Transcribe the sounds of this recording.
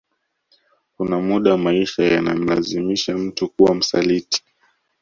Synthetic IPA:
kunamuɗamaiʃaja̰na̰m̩la̰zimiʃam̩tukuwam̩sa̰liti̥

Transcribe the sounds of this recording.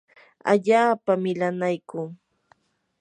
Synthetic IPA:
a̰ʎaːpamɪlanajkuː

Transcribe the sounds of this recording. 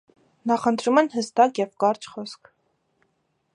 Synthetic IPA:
nɑχənt̪ʰɾumɛnhəst̪ɑkjɛvkɑɾt͡ʃʰχɔsk

